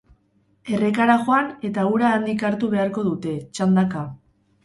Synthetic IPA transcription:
e̞re̞kaɾaʝoane̞t̪auɾaːnd̪ikaɾt̪uβe̞aɾko̞ðut̪e̞t͡ʃand̪aka

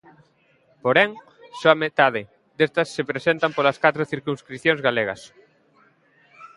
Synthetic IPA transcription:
poɾɛŋ | soamet̪aðɪ | d̪est̪ɐsːepɾesent̪ɐmpolɐskat̪ɾoθiɾkuŋskɾiθjõŋzɣaleɣɐ̰s

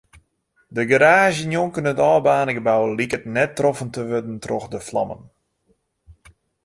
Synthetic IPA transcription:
dəɡəɾaːʒjənjoŋkənətɔːbaːnəɡəbawəlikət̚nɛtːrɔfəntəʋødən̩trɔxdəflɑ̰mə̰n

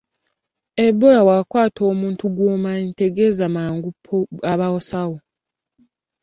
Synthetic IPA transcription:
ebːolawakwaːtʰo̞ːmuːntuɡwoːmaente̞ɡe̞zamaːŋɡupʰːoaβawosawo

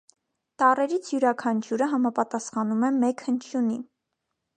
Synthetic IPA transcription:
t̪ɑrɛɾit͡sʰjuɾɑkʰɑnt͡ʃʰuɾəɦɑmɑpɑt̪ɑsχɑnumɛmɛkhənt͡ʃʰjuni

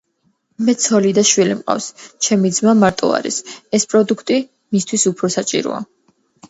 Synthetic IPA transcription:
mɛt̪sʰɔlid̪aʃwilimqʼa̰fst͡ʃʰɛmid̪zmamaɾt̪ʼɔ̰a̰ɾḭsɛspʼɾɔd̪ukʰt̪ʼi | mist̪ʰwisupʰɾɔsat͡ʃʼḭɾɔ̰a̰

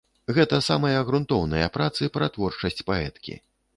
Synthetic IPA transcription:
ɣɛt̪ɐsamɐjɐɣɾunt̪ɔwnɐjɐ̰pɾat̪sɨpɾɐt̪vɔrt͡ʂɐsʲt͡sʲpaɛ̰t̪kʲḭ

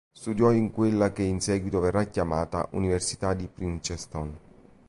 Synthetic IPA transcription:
st̪ud̪jɔiŋkwelːakeinsɛːɡwit̪ovɛrːakːjamaːt̪a̰ʔuniversi̥t̪ad̪ipɾint͡ʃɛst̪ɔn

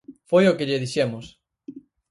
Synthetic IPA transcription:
fojokɪʎeðiʃemʊs

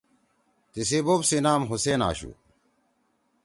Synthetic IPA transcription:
t̪isiboːbsinaːmɦuseːna̰ːɕṵ

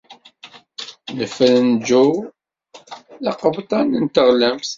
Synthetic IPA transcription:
nəfəlnd͡ʒu | ðɑqəbt̪ˤɑnənt̪əʁlæmθ

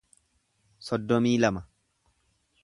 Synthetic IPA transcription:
sɔd̪ːɔmiːlɐmɐ

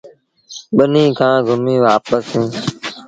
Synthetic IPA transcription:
ɓənĩːkʰãːɡʱʊmĩːʋaːpəsɦĩː

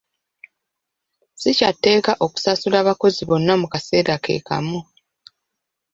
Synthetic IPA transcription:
sicatːe̞ːkaʔo̞ku̥sasulaːβako̞ziβo̞nːamukase̞ːɾake̞̰ːka̰mu

